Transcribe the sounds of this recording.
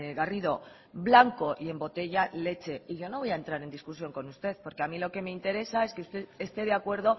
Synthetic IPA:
ɣariðo̞ | βlaŋko̞ʔie̞mbo̞t̪e̞ʝale̞t͡ʃe̞iʝo̞no̞βo̞jae̞nt̪ɾaɾe̞nd̪iskusjo̞ŋko̞nust̪e̞ðpo̞ɾke̞amilo̞ke̞meint̪e̞ɾe̞sae̞skeust̪e̞ðest̪e̞ð̞eakwe̞ɾð̞o̞

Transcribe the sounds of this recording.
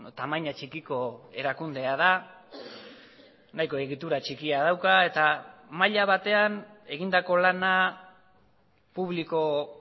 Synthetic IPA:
t̪amajɲat͡ʃikiko̞e̞ɾakund̪e̞aða | najko̞e̞ɣit̪uɾat͡ʃikiað̞awkae̞t̪amaʎaβat̪e̞ane̞ɣind̪ako̞lana | puβliko̞

